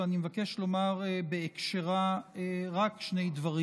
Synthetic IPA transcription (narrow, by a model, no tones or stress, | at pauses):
animevakeʃlomaʁebeekʃeʁaeʁakʃne̞jd̪vaʁi